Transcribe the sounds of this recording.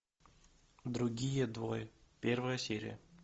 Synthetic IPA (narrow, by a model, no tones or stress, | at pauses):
d̪ɾuɡʲijəd̪vojpʲervəjəsʲeɾʲḭə